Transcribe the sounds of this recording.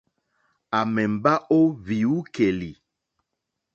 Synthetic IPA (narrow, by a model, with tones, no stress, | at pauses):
a˨mɛ˨m˨ba˦ʔo˦vi˨u˦ke˨li˨